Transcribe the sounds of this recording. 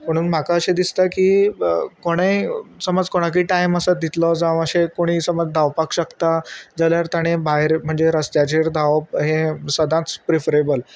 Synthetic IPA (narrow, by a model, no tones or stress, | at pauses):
m̤əɽ̃uːnm̤akaəɕed̪ist̪akiːkoɽ̃əjsəməd͡zkoɽ̃ak̬iːʈajməsəd̪ʱit̪lɔd͡zaʋ̃əɕekoɽ̃iːsəməd͡zd̪ʱaʋpakɕəkt̪ad͡zaljaɾt̪aɽ̃ẽbaɦeɾm̤əɳd͡zeɾəst̪jat͡ɕeɾd̪ʱaʋəp̚ɦẽsəd̪ʱãt͡spɾefəɾebəl